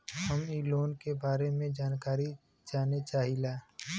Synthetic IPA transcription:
hɐmiːloːnkebaːɾemẽd͡ʒaːnkaːɾi | d͡ʒaːnet͡ʃaːɦilaː

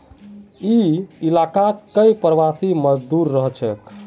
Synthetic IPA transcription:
iilakat̪kəjpɾʋasiməd͡ʒd̪uɾːəɦt͡ʃʰɛk

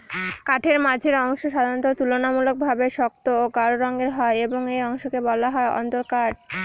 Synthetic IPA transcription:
kaʈʰeɾmad͡ʑʱeɾɔŋʃoʃad̪ʱant̪ot̪ulonamulok̚bʱabeʃɔk̚t̪ooɡaɾoɾɔŋɡeɾɦɔeeboŋejɔŋʃokebɔlaɦɔeɔ̰nt̪oɾkaʈ̚

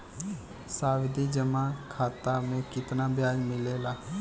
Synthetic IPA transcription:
saːwɪd̪ʱid͡ʒəmãkʰaːt̪amẽkɪt̪nabjaːd͡ʒmɪleːlaː

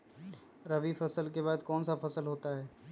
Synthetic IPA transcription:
ɾɐʋifɐsəlkebaːd̪kɔːnsafɐsəlɦoːt̪aɦɛː

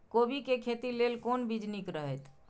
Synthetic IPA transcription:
kobikekʰet̪ilelkonbid͡ʒnikɾəɦɛt̪

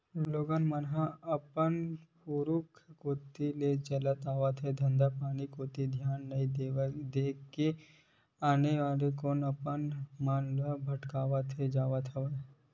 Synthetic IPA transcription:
loːɡaːnmanɦãɐpənpuɾʊkʰkoːt̪ilet͡ʃɐlət̪aːʋat̪ʰed̪ʱɐ̃nd̪apaːnikoːt̪id̪ʱjaːnːɐĩed̪eːke | aːneʋaːlekoːnɐpənmaːnlabʱɐʈkaːʋət̪ʰed͡ʒaːʋət̪ʰəʋə

